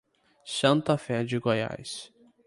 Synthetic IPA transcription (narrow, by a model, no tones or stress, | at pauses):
sɐ̃nt̪afɛd͡ʒɪɡoja̰s